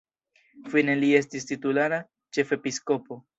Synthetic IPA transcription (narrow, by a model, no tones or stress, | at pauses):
fine̞lie̞stistitulaɾa | t͡ʃe̞fe̞pisko̞po̞